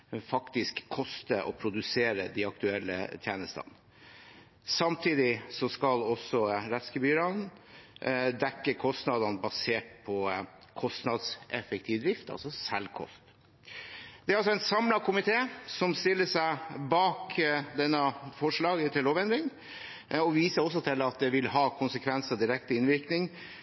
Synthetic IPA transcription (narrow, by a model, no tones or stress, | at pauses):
fɑkt̪ɪskʰːɔst̪əʔɔ̰pʰɾʊd̪ʉseːɾə̰d̪ɪɑkt̪ʉɛlːə̰t̪ʰjæːnəst̪ɑ̰n | sɑmt̪ʰiːd̪ɪsɔskɑlɔsɔɾɛt̪skəbyːɾɑn | d̪ɛkːəkʰɔst̪nɑd̪ɑnbɑseːʈ̚pʰɔ | kʰɔst̪nɑd̪sɛfɛk̚t̪ʰiːʋd̪ɾɪft̪ɑ̰lsɔsɛlkʰɔ̰st̪ | d̪̥ɛɾɑlsɔɛnt̪sɑmlɑkʰʊmɪt̪ʰeːsɔmst̪ɪlːəʂæɪbɑːkd̪ɛnːɑfɔʂɭɑːɡət̪ʰɪlːoːʋɛnd̪ɾɪŋ | ɔʋiːsəɾɔs̬ɔt̪ʰɪlɑt̪̚d̪ɛʋɪlɦɑːkʰʊnsəkʰʋɛnsəd̪ɪɾɛkt̪ɪnʋɪɾknɪŋ